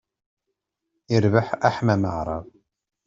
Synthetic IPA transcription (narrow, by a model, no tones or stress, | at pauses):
ɪɾvəħaħmæməʕɾˤɑ̰vˤ